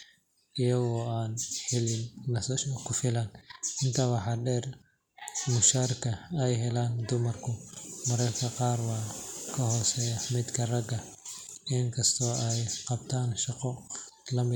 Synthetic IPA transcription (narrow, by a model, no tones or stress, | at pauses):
ɪjɐɣɔːaːnħɪlɪnːɐsɐʃɐkʰʊfɪlɐnɪnt̪ʰɐwɑħɑːɖɛːr | mʊʃaːrkʰɐɛjɦɛlaːnd̪ʊmɐrkʰʊmɐɾɐrkʰɐqɑːrwɑːkʰɐhɔːsɛːjɐmɪd̪kʰɐrɐɡɐ | ɪŋkʰɐst̪ʰɔːʔɛjqɑb̚t̪ʰaːnʃɑqɔlɐmɪ